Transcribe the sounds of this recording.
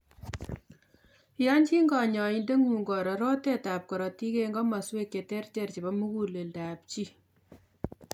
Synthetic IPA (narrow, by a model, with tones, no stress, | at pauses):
jɑ˦ɲd͡ʒi˦ŋɡɑ˨ɲɔ˨inde˦ŋuː˨ŋɡɔ˨ɾɔ˨ɾo˦te˦ta˨p̚kɔ˨ɾɔ˨ti˦ke˦ŋɡɔ˦ma˨swe˦kːe˨tɛ˦rt͡ʃɛ˨rt͡ʃi˨bɔ˦mu˦ku˨le˨lda˨p̚t͡ʃi˦